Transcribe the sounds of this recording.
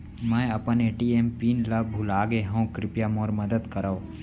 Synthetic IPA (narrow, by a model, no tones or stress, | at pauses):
mɛ̃ːɐpəneːʈiːeːmpiːnlabʱʊlaːɡeɦõkɾɪpjamoːɾmɐd̪əd̪kɐɾao